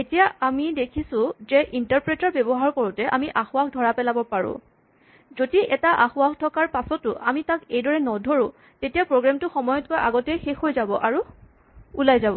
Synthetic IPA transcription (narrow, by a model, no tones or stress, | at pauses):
etijaamidekʰisʊ̃zɛʔintaɹpɹetaɹbebɔɦaɹkoɹutɛʔamiʔaxʊaxdʱɔɹapɛlabɔpaɹʊ̰̃ | zodiʔɛtaʔaxʊaktʰɔkaɹpasɔtʊʔamitakejdɔɹɛnɔdʱoɹʊ̃ | tetijapɹoɡɹamtʊxɔmɔjɔt̚kojʔaɡɔtɛjxexɦojzabɔʔaɹu | ulajzabɔ